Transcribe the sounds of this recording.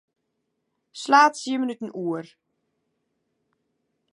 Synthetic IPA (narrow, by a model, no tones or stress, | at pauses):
slaːtsiəmənytən̩ʔuər